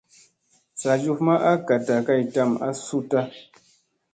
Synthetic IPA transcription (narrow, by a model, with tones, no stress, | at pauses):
sa˨d͡ʒu˦˨fma˦ʔa˦ka˨ta˨ka˦˨jta˦˨ma̰˦su˦ta˦